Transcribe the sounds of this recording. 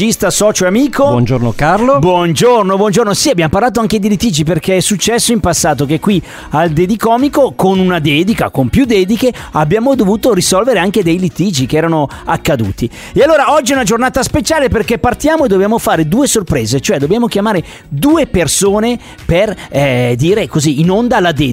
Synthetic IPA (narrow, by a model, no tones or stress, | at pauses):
ist̪asɔːt͡ʃoeamiːkobɔnd͡ʒornokarlobwɔnd͡ʒornobwɔnd͡ʒornosiabjamoparlaːt̪̬oaŋked̪ilit̪iːd͡ʒip̬erkeɛsːut͡ʃːɛsːoimpasːaːt̪okekːwi | ald̪ed̪ikɔːmikokonunad̪ɛːd̪ika̰kompjud̪ɛːd̪ikeabːjaːmod̪ovuːt̪orisɔlveɾeaŋked̪ejlit̪iːd͡ʒikeɛːɾanoakːad̪ṵːt̪i | ealːoːɾaɔd͡ʒːiɛunad͡ʒornaːt̪aspet͡ʃaːleperkepːart̪jaːmoed̪objaːmofaːɾed̪uːesorpɾeːzet͡ʃoɛd̪objaːmok̟jamaːɾe | d̪uːepersoːne | perd̪iːɾekoziːnond̪alad̪ɛː